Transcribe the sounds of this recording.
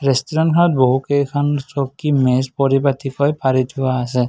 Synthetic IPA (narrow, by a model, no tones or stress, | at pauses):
ɹestɔɹɔnkʰɔɹɔt̚boɦukejkʰɔnsɔkːimɛspɔɹipatikɔjpaɹitʰuwaːsɛ